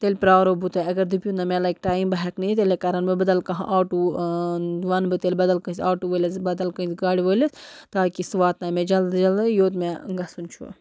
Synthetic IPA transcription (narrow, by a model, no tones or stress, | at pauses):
t̪elʲpɾaːʋɾobut̪ɐɐɡɐɾd̪ipʲjunɐmɛ̃laːjk̚ʈaːimbɐɦɐknit̪elekaːɾɐnbɨbɐd̪ɐlkɐɦɐ̰̃ʔaːʈu | ʋɐnbɨt̪elʲbɐd̪ɐlkɐsʲaːʈuʋəlʲɐsbɐd̪ɐlkɐsɡaːɽiʋəlɐst̪aːkisʋaːt̪namẽd͡ʒɐld̪d͡ʒɐld̪ɐjoːt̪meɡɐsunt͡ʃʰṵ